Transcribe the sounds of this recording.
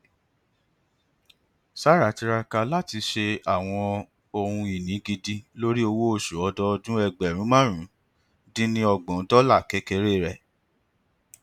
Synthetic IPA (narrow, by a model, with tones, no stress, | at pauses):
sa˦ɾa˨˦ti˧ɾa˧ka˧la˦ti˧ʃe˧a˨w̃ɔ̃˧ | o˧hũ˧i˨nĩ˨˦ɡi˧di˦lo˦ɾi˦o˧wo˦o˧ʃu˨ɔ˨˧˦dɔ˦d͡ʒũ˦ɛ˧ɡ͡bɛ˨ɾ̃ũ˨˦mã˦˨ɾũ˨˦ | dĩ˦nĩ˦ɔ˧ɡ͡bɔ̃˨˦dɔ˦la˦˨kɛ˨˦kɛ˧˦ɾe˦˨ɾɛ˦˨